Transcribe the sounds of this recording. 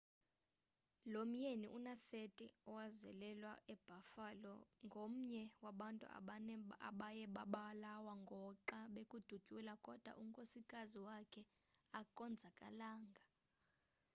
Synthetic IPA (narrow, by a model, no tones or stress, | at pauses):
lom̩jeniʔunaθetʼiɔwazɛlɛlwaʔɛb̥ʱafalɔ̰ŋɡʱom̩ɲɛwaɓantʼṵ | aɓajɛɓaɓalawaŋɡʱɔǃaɓekʼud̥ʱuɡ̥ʱulakʼɔd̥ʱwa̰ʔuŋkʼosikʼaziwakʰɛ | akʼɔnd͡zʱakʼa̰laːŋɡʱa